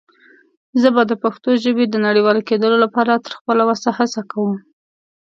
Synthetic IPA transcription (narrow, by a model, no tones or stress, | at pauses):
zəbad̪əpaxt̪oʒəbed̪ənaɽiwɑleked̪əlolapɑɾat̪ə̥ɾxpəlawasahasakawəm